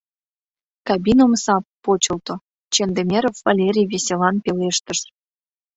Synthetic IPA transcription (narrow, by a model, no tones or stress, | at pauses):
kɑbʲinomsɑpːot͡ɕə̆lˠt̪o | t͡ɕend̪emʲeɾofːɑlʲeɾʲijβesʲelɑnpeleʃt̪əʃ